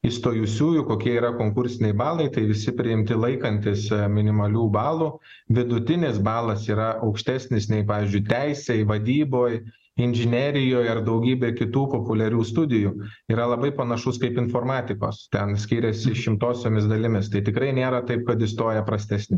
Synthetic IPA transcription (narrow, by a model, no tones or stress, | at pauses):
ɪst̪oːjʊsʲuːjʊkoːkʲiɛiːɾɐkoːŋkʊɾʲsʲɪnʲɛɪbɑːlˠɐɪt̪ɐɪʋʲɪsʲɪpʲɾʲɪɪmʲt̪ʲɪlˠɐɪkɐnʲt̪ʲɪsmʲɪnʲɪmɐlʲuːbɑːlˠuː | ʋʲɪd̪ʊt̪ʲɪnʲɪsbɑːlˠɐsiːɾɐɐʊkʃʲt̪ʲæːsʲnʲɪsnʲɛɪpɑːʋʲiɪːzʲd͡ʒʲʊɪt̪ʲæɪsʲɛɪʋɐd̪ʲiːboːj | ɪnʲʒʲɪnʲɛɾʲɪjoːjɐrd̪ɐʊɡʲiːbʲɛɪkʲɪt̪uːpoːpʊlʲɛɾʲuːst̪ʊd̪ʲɪjuiːɾɐlˠɐbɐɪpɐnɐʃʊskɐɪpɪnfoːrmɑːt̪ʲɪko̰ːst̪ʲɛnsʲkʲiːɾʲɛsʲɪʃʲɪmt̪oːsʲoːmʲɪsd̪ɐlʲɪmʲɪst̪ɐɪt̪ʲɪkɾɐɪnʲeːɾɐt̪ɐɪp̚kɐt̪ɪst̪oːjɛpɾɐsʲt̪ʲæːsʲnʲɪ